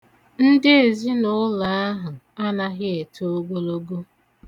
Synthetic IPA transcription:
n̩˦dɪ˦e˨zi˦nʊ˦la˨a˦ɦʊ˨ | a˦na˦ɣɪ˦e˨tʰo˦o˦ɡo˦lo˦ɡo˦

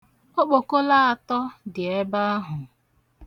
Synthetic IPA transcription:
o˦k͡po˨ko˦la˦a˨tɔ˦dɪ˨e˦ba˦a˦ɦʊ˨

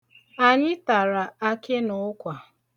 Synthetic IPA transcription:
a˨ɲɪ˦ta˨ɾa˨a˦kɪ˦nʊ˨ʊ˦kʷa˨

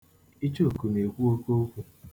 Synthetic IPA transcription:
i˦t͡ʃo˦˨ku˨ne˨kʷu˦o˦ko˦kʷu˦

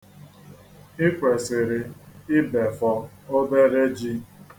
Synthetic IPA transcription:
ɪ˦kʷe˨sɪ˨ɾɪ˨ɪ˦be˨fɔ˨ | o˦de˦ɾe˦d͡ʒi˦

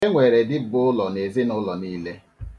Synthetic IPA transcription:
e˦ŋʷe˨ɾe˨dɪ˦bʊ˦ʊ˦lɔ˨ne˨zɪ˦nʊ˦lɔ˨niː˦le˦

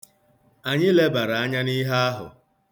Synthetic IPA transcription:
a˨ɲɪ˦le˦ba˨ɾa˨a˦ɲa˦ni˦ɦa˦a˦ɦʊ̰˨

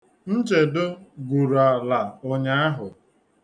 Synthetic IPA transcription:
n̩˦t͡ʃe˨dʊ˦ɡʷu˨ɾa˨la˨ʊ˦ɲa˦a˦ɦʊ˨

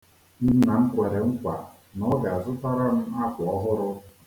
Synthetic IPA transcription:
n̩˦na˨ŋ̩˦kʷe˨ɾe˨ŋ̩˦kʷa˨ | nɔ˦ɡa˨a˨zʊ˦ta˦ɾa˦m̩˦a˦kʷɔ˦ɦʊ˦ɾʊ˦

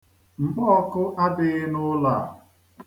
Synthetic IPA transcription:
m̩˨bɔ˦kʊ˦ʔa˦dɪ˨ɣɪ˦nʊ˦la̰˨

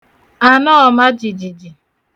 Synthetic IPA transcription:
a˨nɔ˦ɔ˨ma˦d͡ʒi˨d͡ʒi˨d͡ʒi˨

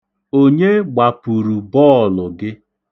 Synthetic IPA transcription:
o˦ɲe˦ɡ͡ba˨pu˨ɾu˨bɔ˦˨lʊ˨ɡɪ˦

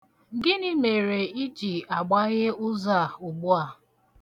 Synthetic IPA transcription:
ɡɪ˦ni˦me˨ɾe˨i˦d͡ʒi˨a˨ɡ͡ba˦ɣɪ˦ʊ˦za˨u˨ɡ͡bu˦a˨

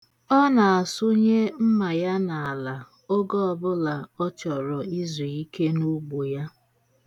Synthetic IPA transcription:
ɔ˦na˨a˨sʊ˦ɲe˦m̩˦ma˨ja˦na˨a˨la˨ | o˦ɡɔ˦ɔ˨bʊ˦la˨ɔ˦t͡ʃɔ˨ɾɔ˨i˦zi˨i˦ke˦nu˦ɡ͡bo˨ja˦

